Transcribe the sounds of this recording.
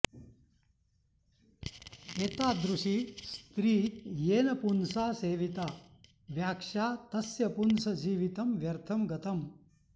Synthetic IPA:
eːt̪aːd̪ɾuʂist̪ɾiːjeːnɐpunsaːseːʋit̪a | ʋjaːkʂaːt̪ɐsjɐpunsɐd͡ʒiːʋit̪ɐmʋjɐɾt̪ʰɐmɡɐt̪ɐm

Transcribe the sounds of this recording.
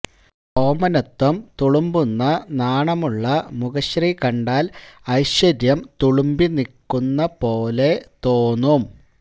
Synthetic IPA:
oːmɐnɐt̪ːɐmt̪uɭumbunːɐnaːɳɐmuɭːɐmuɣɐɕrikɐɳɖaːlɐjɕwɐɾjɐmt̪uɭumbinikːunːɐpo̞ːle̞t̪oːnum

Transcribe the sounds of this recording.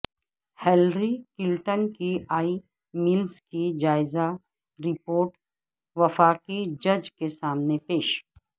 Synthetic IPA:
hɛːlɾikɪlʈənkiaːi | milskid͡ʒaːɪza | ɾɪpoːɾʈ | ʋɐfaːkid͡ʒɐd͡ʒkesaːmnepeːʃ

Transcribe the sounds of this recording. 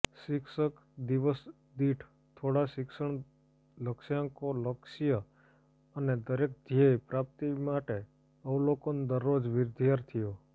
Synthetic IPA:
ʃɪkʃək | d̪iʋəs | d̪iʈʰ | t̪ʰoɽaʃɪksəɳ̃ | ləkʃjãkoləkʃijə | əned̪əɾek̚d̪ʱjəjpɾap̚t̪imaʈe | əulokond̪əɾːod͡ʒʋɪɾd̪ʱjaɾt̪ʰijo

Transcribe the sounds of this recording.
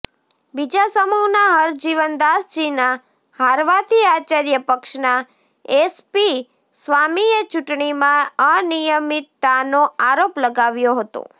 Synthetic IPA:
bid͡ʒasəmuɦnaɦəɾd͡ʒiʋənd̪asd͡ʒina | haɾʋat̪iat͡ʃaɾjəpəkʃna | espi | sʋamijət͡ʃuʈɳimãənijəmit̪ːanoaɾopləɡaʋjoɦət̪o̰

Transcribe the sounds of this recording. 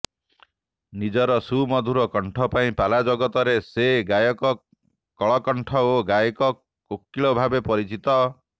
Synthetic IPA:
nid͡ʒɔɾɔsumɔd̪ʱuɾɔkɔɳʈʰɔpaĩpalad͡ʒɔɡɔt̪ɔɾeseɡajɔkɔ | kɔɭɔkɔɳʈʰɔoɡajɔkɔ | kokːiɭɔbʱabepɔɾit͡ʃit̪ɔ

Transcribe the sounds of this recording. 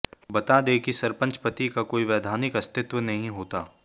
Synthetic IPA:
bɐt̪ad̪eːkisɐɾpə̃nt͡ʃpət̪ikakoːiʋɛːd̪ʱaːnɪkɐst̪ɪt̪wənɐɦĩɦoːt̪aː

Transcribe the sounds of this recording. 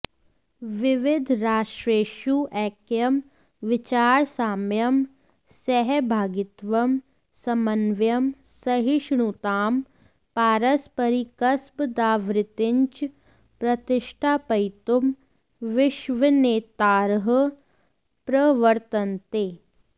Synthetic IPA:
ʋɪʋɪd̪ʱɾaːʃɾeːʃuʔɛːkjɐm | ʋɪt͡ʃaːɾsaːmjɐm | sɛɦɛbʱaːɡɪt̪ʋɐm | sɐmɐnʋjɐm | sɐɦiʃɳut̪aːm | paːɾɐspɐɾikɐsbd̪aːʋɾɪt̪ɪɲt͡ʃ | pɾɐt̪ɪʃʈʰaːpɐjt̪um | ʋɪʃʋəneːt̪aːɾɦə | pɾɐʋəɾt̪ɐnt̪eː

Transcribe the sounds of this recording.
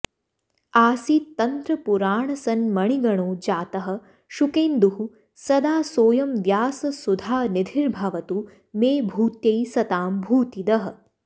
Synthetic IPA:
aːsiːt̪ːɐnt̪ɾɐpuɾaːɳɐsɐnmɐɳiɡɐɳoːd͡ʒaːt̪ɐɦɐ̆ | ʃukeːnd̪uɦu | sɐd̪aːsoːjɐmʋjaːsɐsud̪ʱaːnid̪ʱiɾbʱɐʋɐt̪u | meːbʱuːt̪jɐjsɐt̪aːmbʱuːt̪id̪ɐɦɐ̆

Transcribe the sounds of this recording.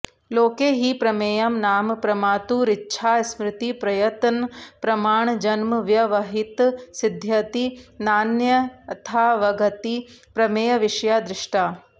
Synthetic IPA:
loːkeːɦipɾɐmeːjɐmnaːmpɾɐmaːt̪uːɾitːʃʰaːsmɾɪt̪ipɾɐjɐt̪ɐnpɾɐmaːɳd͡ʒɐnmɐʋjɐʋɐɦit̪sid̪ʱjɐt̪inaːnjɐt̪ʰaːʋɐɡɐt̪ipɾɐmeːjɐʋiʂjaːd̪ɾɪʂʈaː

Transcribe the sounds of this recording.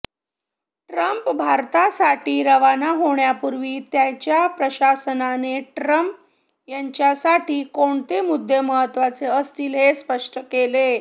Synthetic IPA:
ʈɾəmpbʱaɾt̪asaʈiːɾəʋanaɦoɳjapuɾʋiːt̪jat͡ɕjapɾəɕasənaneʈɾəmp̚ | jaɲt͡ɕjasaʈiːkoɳt̪emud̪ʱːeməɦət̪ːʋat͡seəst̪ilespəʂʈəkele

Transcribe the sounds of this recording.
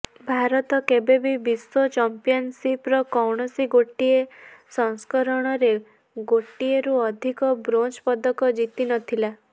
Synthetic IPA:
bʱaɾɔt̪ɔkebebibiswot͡ʃɔmpijɔnsipɾɔkɔwɳ̃ɔsiɡoʈːiesɔŋskɔɾɔɽ̃ɔɾe | ɡoʈːieɾuɔd̪ʱikɔbɾont͡ʃpɔd̪ɔkɔd͡ʒit̪inɔt̪ʰila

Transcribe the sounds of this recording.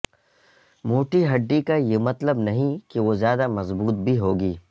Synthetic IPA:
moːʈiɦɐɖːikajeːmɐt̪ləbnɐɦĩkeʋozjaːd̪amɐzbuːt̪̚bʱiɦoːɡiː

